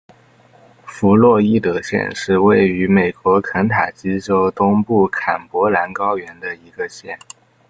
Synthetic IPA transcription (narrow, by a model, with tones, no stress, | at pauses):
fu˧˥lwɔ˥˧i˥˩t̪ɤ˧˩ɕjɛ̰˥˧nʂɻ̩˥˧we˥˩ɪy˧˥me˨˩ɪkwɔ˧˥kʰə˧˥nt̪ʰa˨˩t͡ɕi˥ʈ͡ʂo˥ʊt̪ʊ˥ŋpu˥˩kʰa˨˩npwɔ˧˥la˧˥nkɑ˥ʊɥɛ˧˥nd̪ə˧i˧˥ɡə˧ɕjɛ̰˥˩n